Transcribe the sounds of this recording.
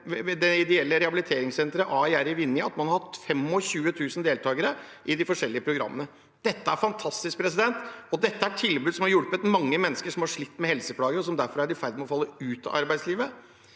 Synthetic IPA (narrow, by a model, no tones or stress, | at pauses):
d̪ɛɪd̪ɛɛlːəɾɛhɑbɪlɪt̪ʰeːɾɪŋsɛnt̪ɾəʔɑːɛæɾɪʋɪnːjəɑt̪mɑnhɑɾhɑt̪fɛmɔɕʉːət̪ʰʉːsnd̪eːlt̪ʰɑːɡəɾəʔɪd̪ɪfɔʂɛlːɪəpʰɾʊɡɾɑ̰mːənə | d̪̥ɛt̪ːəæɾfɑnt̪ʰɑst̪ɪsk̚pʰɾɛsɪd̪ɛnt̪ɔd̪ɛt̪ːəæʈʰɪlbʉːd̪sɔmhɑɾjʊɽpət̪mɑŋːəmɛnːəskəʂɔmhɑʂɭɪt̪ːmɛhɛlsəpʰlɑːɡəɾɔsɔmd̪æɾfɔɾæɖɪfæɾd̪ɪmɛɔfɑlːəʉːt̪ɑ̰ʔɑɾbæɪsliːʋə